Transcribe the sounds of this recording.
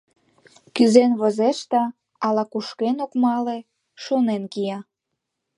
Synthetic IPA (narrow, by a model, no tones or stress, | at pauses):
kyzenβəzeʃt̪ɑ | ɑlɑkuʃkenokmɑle | ʃonenkijɑ